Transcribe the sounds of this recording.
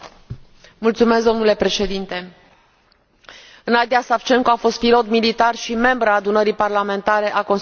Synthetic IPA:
mult̪sume̞sd̪onule̞pɾe̞ʃe̞d̪int̪e̞ | ɨnad̪iasaft͡ʃe̞ŋkoafo̞st̪̚pilo̞t̪milit̪arʃime̞mbɾəaːd̪unəɾiparlame̞nt̪aɾe̞ʔako̞ns

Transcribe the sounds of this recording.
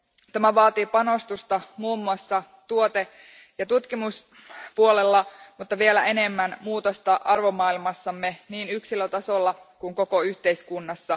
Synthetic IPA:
t̪æmæʋɑːt̪ipɑno̞st̪ust̪ɑmuːmːuɑsːɑ | t̪uo̞t̪e | jɑt̪ut̪kimus | puolelːɑmut̪ːɑʋie̞læe̞ne̞mːænmuːt̪ost̪ɑʔɑrʋomɑːilmɑsːɑmːeniːnyksiløt̪ɑso̞lːɑkuŋko̞ko̞yht̪e̞iskunːɑsːɑ

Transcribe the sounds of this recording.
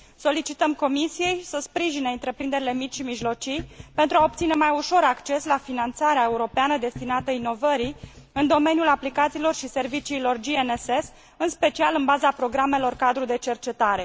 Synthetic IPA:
so̞lit͡ʃit̪əmko̞misije̞jsəspɾiʒineɨnt̪ɾe̞pɾind̪e̞ɾile̞mit͡ʃʃimiʒlo̞t͡ʃijpe̞nt̪ɾuao̞pt̪sine̞majuʃo̞ɾakt͡ʃe̞slafinant̪saɾeae̞uɾo̞peanəd̪e̞st̪inat̪əino̞vəɾi | ɨnd̪o̞me̞njulaplikat̪siːlo̞rʃise̞rvit͡ʃiːlo̞rd͡ʒieneses | ɨnspe̞t͡ʃialɨnbazapɾo̞ɡɾame̞lo̞rkad̪ɾud̪e̞t͡ʃe̞rt͡ʃe̞t̪aɾe̞

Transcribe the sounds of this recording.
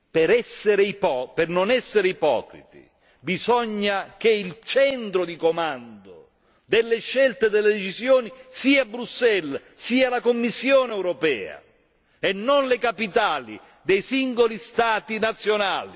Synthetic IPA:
peɾɛsːeɾeipɔpernonɛsːeɾeipɔ̰ːkɾḭt̪ḭ | bizɔɲːak̟eilt͡ʃɛnt̪ɾod̪ikomand̪o | d̪elːeʃːɛlt̪ed̪elːed̪et͡ʃisjoːnisiːaabːɾusːɛl | siːalakomːisːjoːneɛwɾɔpɛ̰ːa̰ | ɛnːonlekapit̪aːlḭ | d̪ejsiŋɡolist̪aːt̪inat̪sːjonaːli

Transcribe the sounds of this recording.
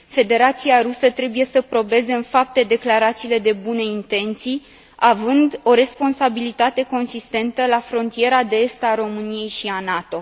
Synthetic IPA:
fe̞d̪e̞ɾat̪siaɾusət̪ɾe̞buje̞səpɾo̞be̞ze̞ɨnfap̚t̪e̞d̪e̞klaɾat̪siːle̞d̪e̞bune̞int̪e̞nt̪sij | avɨnd̪o̞ɾe̞spo̞nsabilit̪at̪e̞ko̞nsist̪e̞nt̪əlafɾo̞nt̪ije̞ɾad̪eest̪aɾo̞mɨnije̞jʃianat̪o̞

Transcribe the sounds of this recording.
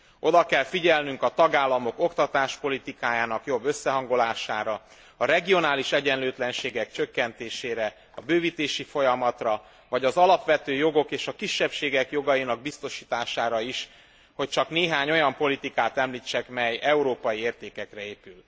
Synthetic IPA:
o̞d̪ɒkɛlfiɟɛlnyŋkɒt̪ɒɡaːlːɒmo̞ko̞kt̪ɒt̪aːʃpo̞lit̪ikaːjaːnɒkjo̞bːø̞sːɛɦɒŋɡo̞laːʃaːɾɒ | ɒɾɛɡijo̞naːliʃɛɟɛnløːt̪lɛnʃeːɡɛk̚t͡ʃø̞kːɛnt̪eːʃeːɾɛ | ɒbøːviːt̪eːʃifo̞jɒmɒt̪rɒ | vɒɟɒzɒlɒpʋɛt̪øːjo̞ɡo̞keːʃɒkiʃːɛpʃeːɡɛkjo̞ɡɒjinɒɡ̚bist̪o̞ʃiːt̪aːʃaːɾɒiʃ | ho̞c̚t͡ʃɒkneːɦaːɲo̞jɒmpo̞lit̪ikaːt̪ɛmliːt͡ʃːɛkmɛjɛuɾoːpɒjieːrt̪eːkɛkrɛeːpyl

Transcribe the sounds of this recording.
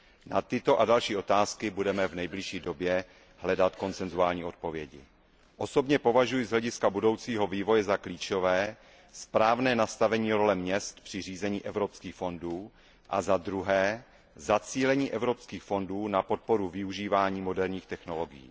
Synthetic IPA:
nat̪ɪt̪o̞ʔadalʃiːʔo̞t̪aːskɪbudɛmɛvnɛjblɪʃiːdo̞bjɛ | ɦlɛdat̪ko̞nt͡sɛnzuaːlɲiːʔo̞t̪̚po̞vjɛɟɪ̰ | ʔo̞so̞bɲɛpo̞vaʒujɪzɦlɛɟɪskabudo̞wt͡siːɦo̞viːvo̞jɛzakliːt͡ʃo̞vɛː | spɾaːvnɛːnast̪avɛɲiːɾo̞lɛmɲɛst̪pr̝̥ɪr̝iːzɛɲiːʔɛvɾo̞pskiːxfo̞nduː | ʔa̰zad̪ɾuɦɛː | zat͡siːlɛɲiːʔɛvɾo̞pskiːxfo̞nduːnapo̞t̪̚po̞ɾuvɪuʒiːvaːɲiːmo̞dɛɾɲiːxt̪ɛxno̞loɡɪjḭː

